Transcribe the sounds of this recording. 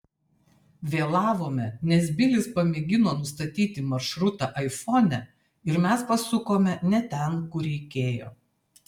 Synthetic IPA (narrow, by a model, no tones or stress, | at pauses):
ʋʲeːlˠɑːʋoːmʲɛnʲɛs̬bʲɪlʲɪspɐmʲeːɡʲɪnoːnʊst̪ɐt̪ʲiːt̪ʲɪmɐɾʃɾʊt̪ɑˑʔɐɪfɔːnʲɛ | ɪɾmʲɛspɐsʊkoːmʲɛnʲɛt̪ʲɛnkʊɾʲɛɪkʲeːjo̰ː